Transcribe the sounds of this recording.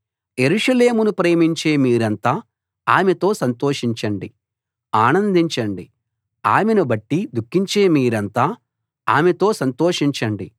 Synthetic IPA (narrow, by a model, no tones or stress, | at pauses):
je̞ɾuʂɐle̞ːmunupɾe̞ːmiɲt͡ʃe̞ːmiːɾɐnt̪aː | aːmet̪o̞ːsɐnt̪oːʂiɲt͡ʃɐɳɖi | aːnɐnd̪iɲt͡ʃɐɳɖi | aːmenubɐʈːid̪ukːiɲt͡ʃeːmiːɾɐnt̪aː | aːmet̪o̞ːsɐnt̪o̞ːʂiɲt͡ʃɐɳɖi